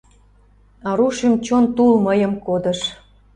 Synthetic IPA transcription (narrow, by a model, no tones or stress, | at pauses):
ɑɾuʃimt͡ɕont̪ulməjəmkod̪əʃ